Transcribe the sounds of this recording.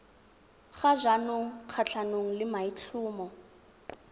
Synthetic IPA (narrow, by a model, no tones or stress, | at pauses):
χazʷanoŋ̩q͡χʰat͡ɬʰanoŋ̩lɪmait͡ɬʰuːmɔ